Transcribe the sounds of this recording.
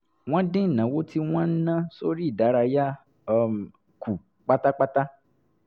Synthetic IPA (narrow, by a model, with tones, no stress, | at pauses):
w̃ɔ̃˦dẽ˦˨nã˨˦wo˦ti˦w̃ɔ̃˦n̩˦nã˦so˦ɾi˦˨da˨˦ɾa˧ja˦˧ | ku˨ | k͡pa˦ta˦k͡pa˦ta˦